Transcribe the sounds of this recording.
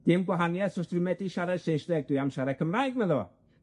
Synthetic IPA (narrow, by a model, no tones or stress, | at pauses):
d̥ɪmɡwaɦanjɛθɔstwɨmɛdiʃaɾɛd̥ʃejnsdɛɡ̚dwuɨjamʃaɾɛkʰəmraːɨɡmɛðɔ